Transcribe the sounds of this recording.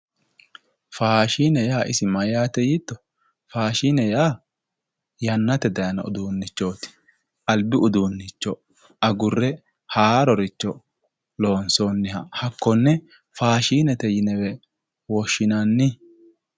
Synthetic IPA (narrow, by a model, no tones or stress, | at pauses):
faːʃiːnɛjaːʔɪsɪmɐjaːt̪ɛjɪt̪ːɔ | faːʃiːnɛjaː | jɐnːɐt̪ɛd̪ɐjɐnɐ̰ʊ̰d̪uːnːɪt͡ʃːo̞ːt̪ɪ̥ | ʔɐlbɪʊd̪uːnːɪt͡ʃːɔ | ɐɡʊrːɛ | haːɾɔɾɪt͡ʃːɔ | lo̞ːnso̞ːnːɪhɐhɐkːɔnːɛ | faːʃiːnɛt̪ɛjɪnɛwɛ | wɔʃːɪnɐnːɪ